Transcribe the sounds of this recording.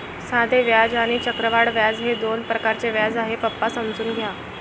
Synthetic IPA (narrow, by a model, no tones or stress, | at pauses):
sad̪ʱeʋjad͡zaɽ̃it͡ɕəkɾəʋaɽʋjad͡zɦed̪onpɾəkaɾt͡seʋjad͡zaɦepəpːasəmd͡zuːnɡʱja